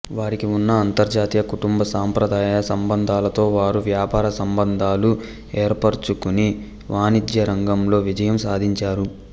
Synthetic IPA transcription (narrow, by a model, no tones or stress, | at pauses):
ʋaːɾikiunːɐːnt̪ɐɾd͡ʒaːt̪ijɐkuʈumbɐsaːmpɾɐd̪ʱaːjɐsɐmbɐnd̪ʱaːlɐt̪o̞ːʋaːɾuʋjaːpaːɾɐsɐmbɐnd̪ʱaːlu | eːɾpɐɾt͡ʃukuni | ʋaːnid̪jɐɾɐŋɡɐmlo̞ːʋid͡ʒɐjɐmsaːd̪ʱiɲt͡ʃaːɾu